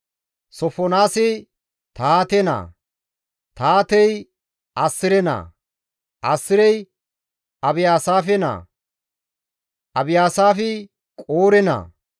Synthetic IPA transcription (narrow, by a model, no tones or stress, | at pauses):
sɔfɔnaːsɛ | t̪aːt̪ɛna̰ː | t̪aːt̪ɛj | ʔɐsːɪɾɛnɐ̰ː | ʔɐsːɪɾɛj | ʔɐbɪjaːsaːfɛna̰ː | ʔɐbɪjaːsaːfɛ | kʼoːɾɛnɐ̰ː